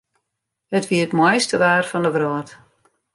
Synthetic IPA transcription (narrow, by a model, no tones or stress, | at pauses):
hətʋiətmwɔjstəʋaːrfɔndəʋrɔːt